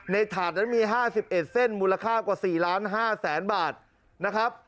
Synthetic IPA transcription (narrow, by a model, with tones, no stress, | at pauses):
na˧jt̪ʰaː˨˩t̪̚na˦˥nmiː˧ɦaː˥˩si˨˩p̚ʔe˨˩t̪̚se˥˩nmuː˧la˧kʰaː˥˩kwaː˨˩siː˨˩laː˦˥nɦaː˥˩sɛː˩˦nbaː˨˩t̪̚ | na˦˥kʰa˦˥p̚